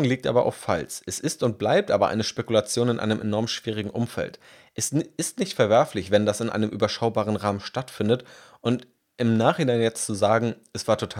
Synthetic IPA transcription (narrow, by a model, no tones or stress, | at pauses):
ŋliːk̚tʔaːbɐʔa̰ʊfːa̰lsʔɛsɪstʊnt̚b̥laɪp̚tʔaːbɐʔa̰ɪnəʃpekulat͡sjoːnɪnʔa̰ɪnəmʔḛnɔɐmʃv̥iːʁ̞ɪɡŋ̩ʔʊmfɛ̰lt | ʔɛsɪstnɪçtfɛɐvɛɐflɪçv̥ɛndasɪnʔa̰ɪnəmʔyːbɐʃaʊbaːʁ̞ənʁaːmənʃtatfɪndətʔʊnt | ʔɪmnaːχhɪnaɪnjɛt͡stt͡suzaːɡŋ̩ʔɛsv̥aːɐtʰotʰa